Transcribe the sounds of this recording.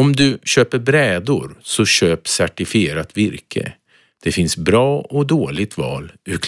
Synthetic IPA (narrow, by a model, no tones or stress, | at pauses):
ɔmd̪ɵɕøːpəɾbɾɛːd̪ʊɾsɔɕøːpsæʈɪfɪeːɾat̪vɪɾkʰə̰ | d̪̥ɛfɪnsbɾɑːɔd̪oːɭɪɡ̚t̪vɑ̰ːlʉkʰ